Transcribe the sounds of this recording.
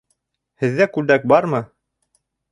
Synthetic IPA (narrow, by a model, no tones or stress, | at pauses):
hɘ̆ðːækʉld̪æk̚bɑɾmɤ